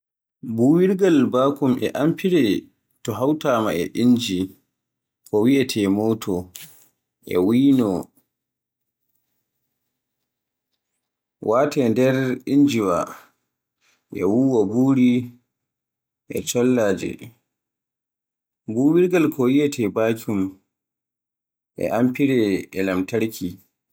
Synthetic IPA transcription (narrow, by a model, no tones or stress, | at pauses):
buːwiɾɡalbaːkumɛ̰ʔampiɾɛ | tɔɦawtaːmaʔɛ̰ʔind͡ʒi | kɔwiʔɛtʰɛmɔːtʰɔ | ʔɛ̰wiːnɔ | wʔaːtɛndɛɾind͡ʒiwa | ʔɛ̰wuwabuːɾi | ʔɛ̰t͡ʃɔlːaːd͡ʒɛ̰ | buwiɾɡalkʰɔwiʔɛtʰɛbaːkʲum | ʔɛ̰ʔampiɾɛɛlamtaɾkʰi